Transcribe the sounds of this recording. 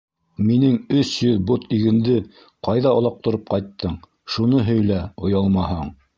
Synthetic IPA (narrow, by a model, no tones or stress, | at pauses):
minɘŋɵsjɵðbot̪iɡɘ̆nd̪ɘ | qɑjðɑɑ̆lˠɑq̚t̪ŏɾɤp̚qɑjt̪ːɤɴ | ʃunɤɦɵ̆jlæŏjɑlˠmɑɦɑɴ